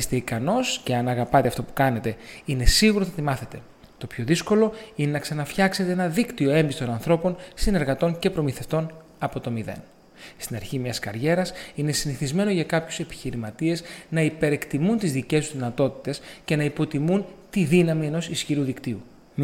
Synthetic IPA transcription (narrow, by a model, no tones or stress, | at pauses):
st̪eikɐno̞sce̞ɐnɐɣɐpɐt̪eɐft̪opu̥kɐne̞t̪e̞ine̞siɣuɾot̪ɐt̪imɐθe̞t̪e̞ | t̪o̞pço̞ðisko̞lo̞ine̞nɐksɐnɐfçɐkse̞t̪eenɐðikt̪io̞e̞mbist̪o̞nɐnθɾo̞po̞nsine̞ɾɣɐt̪o̞ɲce̞pɾo̞miθe̞ft̪o̞n | ɐpo̞t̪o̞miðe̞̰n | st̪inɐɾçimɲɐskɐɾʝe̞ɾɐsine̞siniθizme̞noʝɐkɐpçuse̞pi̥çiɾimɐt̪ie̞znɐipe̞ɾe̞kt̪imunt̪izðice̞suzðinɐt̪o̞t̪i̥t̪e̞sce̞nɐipo̞t̪imunt̪iðinɐmie̞no̞sisçiɾuðikt̪iu